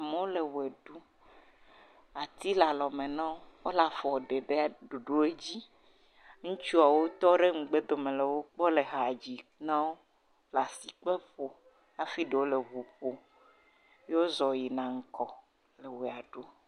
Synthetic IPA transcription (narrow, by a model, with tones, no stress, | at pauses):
a˨mẽ˨˦wo˦le˨we˨ɖu˦ | a˨t̪i˦la˨lɔ˨mẽ˨nã˦wo˦wo˦la˨fɔ˨ɖe˨ɖe˦a˨ɖu˨ɖo˦e˦d͡ʑi˦ | ŋũ˦t͡ʃu˦a˨wo˦t̪ɔ˦ɖe˦ŋ͡m̩˨ɡ͡be˦d̪o˨mẽ˨le˨wo˦k͡pɔ˦le˨ɦa˨d͡ʑi˨nã˦wo˦ | la˨si˨k͡pe˦ɸo˨ | a˨fi˦ɖe˨wo˦le˨ɦu˨ɸo˨ | je˦wo˦zɔ˨ji˨nã˨ŋ̩˦kɔ˨ | le˨we˨a˨ɖu˦